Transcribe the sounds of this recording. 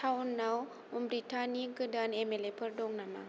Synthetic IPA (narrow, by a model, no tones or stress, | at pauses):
awnːaw | əmbɾitanikədanemelepʰərdɔŋnama̰